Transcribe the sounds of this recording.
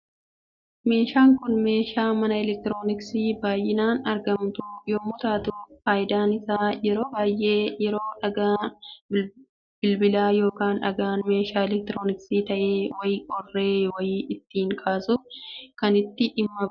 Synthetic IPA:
me̞ːʃaːŋkʊnme̞ːʃaːmɐnɐɪlɛk̚t̪ɪɾo̞ːnɪksiːbaːjːɪnaːnɐɾɡɐmt̪ʊjoːmʊt̪aːt̪ʊfaːʔɪd̪aːnɪsaːjɛɾo̞ːbaːjʔe̞ːjɛɾoːᶑɐɡa | b̥ɪlbɪlaːjo̞ːkaːnᶑɐ̰ɡaːnme̞ːʃaːɛlɛk̚t̪ɪɾo̞ːnɪksiːt̪ɐʔe̞ːwɐjɪkʼɔrːe̞ːwɐjiːʔɪt̪ːiːŋkʼaːsʊkɐnɪt̪ːɪʔɪmːɐ

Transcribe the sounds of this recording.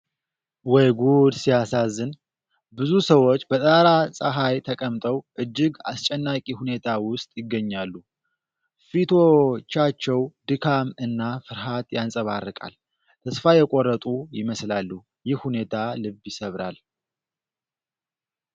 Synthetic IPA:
wɔjɡud̪sijasazːɨn | bɨzusəwot͡ʃːbət̪ʼaɾasʼəɦajt̪ʰəkʼəmt̪ʼəwʔɨd͡ʒːɪɡa̰st͡ʃʼɛnːakʼihune̞t̪ʰawʊst̪ʼjɪɡːəɲːalːu | fit̪ʰo̞t͡ʃːat͡ʃːɛwd̪ɨkʰamɨnːafɨɾɦat̪jansʼəβarːɨkʼa̰l | t̪ʰəsfajɛkʼorːət̪ʼujɪməslalːu | jɪhhune̞t̪ʰalɨbjɪsəβɾa̰l

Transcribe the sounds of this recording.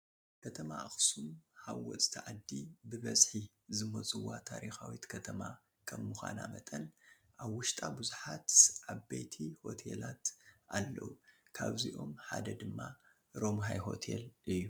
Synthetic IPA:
kʰɐt̪ʰɐmaʔaxsumhawːɔt͡sʼt̪ʰɐʕad̪ːibɨβɐsʼħi | zɨmɐt͡sʼɨwːat̪ʰaɾixawit̪kʰɐt̪ʰɐma | kʰɐmːuxʷa̰namɐt̪ʼɐn | ʔaβwʊʃt̪ʼabuzuħat̪ʕaβbejt̪ʰiho̞t̪ʰḛlat̪ʔalːɐ̰wukʰaβziʔo̞mħad̪ɐd̪ɨmːa | ɾo̞mɦajɦo̞̰t̪ʰe̞̰lʔɨjːu

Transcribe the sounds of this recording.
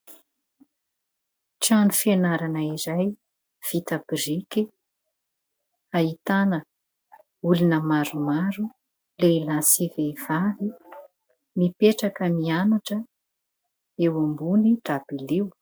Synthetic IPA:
ʈ͡ʂanufienaɾanəiɾaj | v̥it̪abiɾiki | ait̪anə | ulunəmaɾumaɾu | leilasiveiv̥avi | mipeʈ͡ʂakəmianaʈ͡ʂə | ewambunitabilew

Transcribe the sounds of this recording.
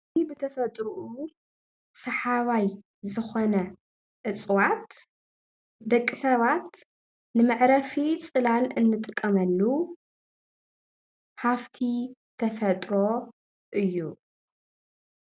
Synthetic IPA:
ibɨt̪ʰɐfɐt̪ʼɾuʔu | sɐħaβaj | zɨxonɐ | ʔɨt͡sʼwat̪ | d̪ɐkʼːisɐβat̪ | nɨmɨʕɾɐfit͡sʼɨlalɨnːɨt̪ʼɨkʼːɐmɐlːu | haft̪ʰi | t̪ʰɐfɐt̪ʼɾo̞ | ʔɨjːu

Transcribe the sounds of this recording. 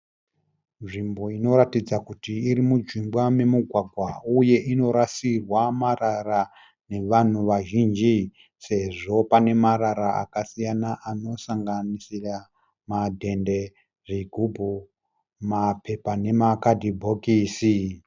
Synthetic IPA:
nʐimbo̞ino̞ɾatid͡zakutiːɾimud͡ʒimbwame̞muɡʱwaɡʱwauje̞ʔino̞ɾasirwamarara | ne̞ʋan̤uʋaʒind͡ʒi | se̞ʐo̞pane̞maɾaɾaa̰kasijanaʔano̞saŋɡanisira | madʱe̞nde̞ | ʐiɡʱubʱu | mape̞pane̞makadʱibʱokiːsi

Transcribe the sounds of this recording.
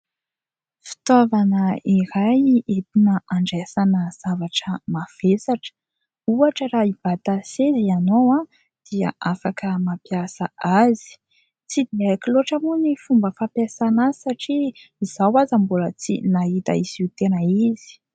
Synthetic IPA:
fi̥t̪avanəiɾajet̪inəʔaɳɖ͡ʐesanəz̥avaʈ͡ʂəmav̥esaʈ͡ʂə̥ | uaʈ͡ʂəɾaib̥at̪asezianowã | d̪̥ia̰ʔafakəmapiasaʔazi̥ | t͡sid̪eakiloʈ͡ʂəmunifumbəfapjasanaisaʈ͡ʂiːz̥awazambulət͡sinaɦit̪a̰iziut̪enəizi̥

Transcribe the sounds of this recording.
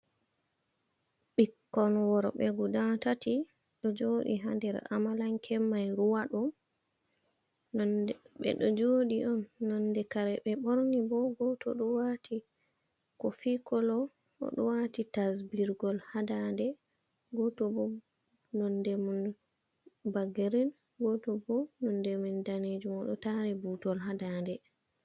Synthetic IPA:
ɓikːɔnwɔɾɓɛ̰ɡudatati | ɗɔd͡ʒoːɗḭɦandɛɾa̰malaŋkʰɛmːajɾuwaɗɔm | ɓɛ̰ɗɔd͡ʒoɗiʔɔnːɔndɛkaɾɛɓɛɓoɾnibɔɡɔtɔ̰ɗɔwatʰi | kɔfikɔlɔ | ʔɔ̰ɗɔwatitasbiɾɡɔlhadandɛ | ɡɔtɔbɔ | nɔndɛmun | baɡeɾin | ɡɔtɔbɔnɔndɛmundaned͡ʒumɔɗɔtaɾɛbutɔlɦadandɛ

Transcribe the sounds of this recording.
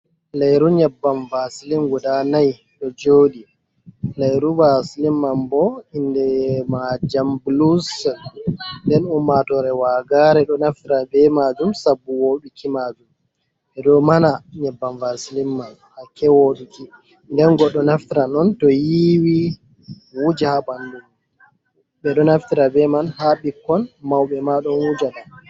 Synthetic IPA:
lajɾuɲɛbːanvasilimɡɔdanaj | ɗɔd͡ʒoːɗi | lajɾuvasilimːambɔindɛmad͡ʒamblus | ndɛnumːatɔɾɛwaɡaɾɛɗɔnaftiɾabɛmaːd͡ʒumsabːuwoɗukimad͡ʒum | ɛɗɔmanaɲɛbːanvasilimːan | akɛwoɗiki | ndɛnɡɔɗːɔnaftiɾanɔntɔjiwi | wud͡ʒahabandum | bɛɗɔnaftiɾabɛmanhaɓikːɔnmawɓɛmaɗɔnwud͡ʒaɗa

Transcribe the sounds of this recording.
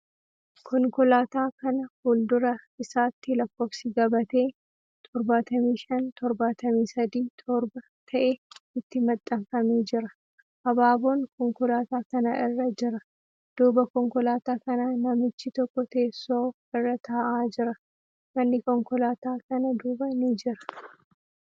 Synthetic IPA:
kʰɔŋkɔlaːt̪aːkɐnɐhuld̪ʊɾɐɪsaːt̪ːɪlɐkːoːfsɪɡɐbɐt̪e̞ː | t̪ʰɔɾbaːt̪ɐmiːʃɐnt̪ʰɔɾbaːt̪ɐmiːsɐd̪iːt̪ʰɔɾbɐ | t̪ʰɐʔeːɪt̪ːɪmɐt̪ʼːɐmfɐmeːd͡ʒɪɾɐ | ʔɐbaːboːŋkɔŋkɔlaːt̪aːkɐnɐʔɪrːɐd͡ʒɪɾɐ | d̪̥uːbɐkɔŋkɔlaːt̪aːkɐnaːnɐmɪt͡ʃːɪt̪ɔkːɔt̪e̞ːsːoː | ɪrːɐt̪ʰaːʔaːd͡ʒɪɾɐ | mɐnːɪkɔŋkɔlaːt̪aːkɐnɐd̪uːbɐnɪd͡ʒɪɾɐ̥

